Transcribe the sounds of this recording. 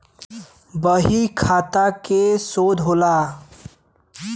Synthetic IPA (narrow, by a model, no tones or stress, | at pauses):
bəɦikʰaːt̪akesoːd̪ɦoːlaː